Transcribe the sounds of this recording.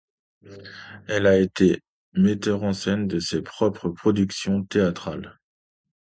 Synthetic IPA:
ɛlaet̪e | met̪œʁɑ̃sɛnd̪əsepχɔpχəpχɔd̪yksjɔ̃t̪eat̪χal

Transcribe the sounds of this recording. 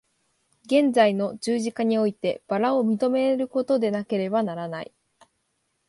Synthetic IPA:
ɡẽ̞nd͡zaino̞d͡ʑɨːʑikaɲ̟io̞it̪e̞b̥aɾaomʲit̪o̞me̞ɾɯ̟ko̞t̪o̞d̪e̞nake̞ɾe̞banaɾanaḭ

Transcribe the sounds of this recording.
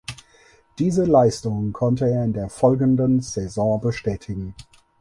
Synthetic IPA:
d̥iːzəlaɪstʊŋənkʰɔntəeːɐɪndeːɐfɔlɡn̩dənz̥ɛzɔ̃ːbəʃtɛːtʰɪɡŋ̩

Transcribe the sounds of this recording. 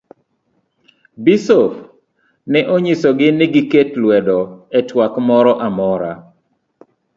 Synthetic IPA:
bisof | nɛʔoɲisɔɡɪnɪɡɪketlwɛdɔɛtwakmɔɾɔʔamɔɾa

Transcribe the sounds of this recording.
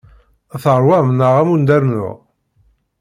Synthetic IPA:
θɾˤwæmnəʁæmund̪æɾnʊ̰ʁ

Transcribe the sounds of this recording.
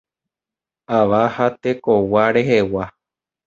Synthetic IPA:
aʋahat̪e̞kowaɾe̞ɦe̞wa

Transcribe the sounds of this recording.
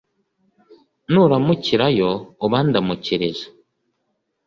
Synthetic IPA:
nuɾamuciɾajoːβaːndamuciɾezḁ

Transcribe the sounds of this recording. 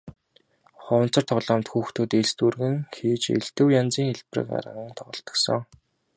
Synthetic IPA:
χɔːn̥t͡sɞ̆rt̪ʰɔʁɮaːmt̪xuːxt̪ʰuːt̪eɮst̪urɣɘ̆ŋxiːt͡ɕḛɮt̪ɘ̆wjant͡siːŋxeɮprɘ̰̆ka̰ɾə̰̆ʁə̆ŋt̪ʰɔʁɞ̆ɬt̪ɞ̥̆ksɞ̆ŋ

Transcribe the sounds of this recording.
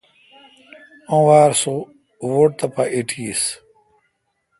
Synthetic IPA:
õːwaːɾso | woʈ̚t̪ɐpɐʔiʈʰiːs

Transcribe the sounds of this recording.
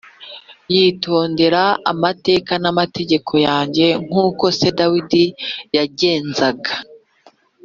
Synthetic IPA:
jiːtʰo̞ːnde̞ɾaa̰mate̞ːkanamate̞ɟe̞kʰo̞jaːɲɟe̞ŋ̥uːko̞se̞dawidijaɟe̞ːnzaɡa

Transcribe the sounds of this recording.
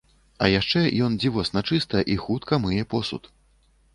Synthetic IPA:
ɐ̰jaʂt͡ʂɛjɔnd͡zʲivɔsnat͡ʂɨst̪ɐʔixut̪kɐmɨjɛpɔsṵt̪

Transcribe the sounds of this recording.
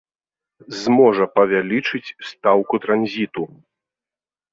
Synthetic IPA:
zmɔʐɐpɐvʲalʲit͡ʂɨt͡sʲst̪awkut̪ɾanzʲit̪u

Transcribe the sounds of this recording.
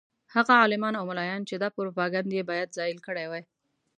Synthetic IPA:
haɣaɑlɪmɑnawmʊlɑjɑnt͡ʃed̪ɑpʊɾopɑɡand̪jebɑjad̪zɑɪlkəɽajwaj

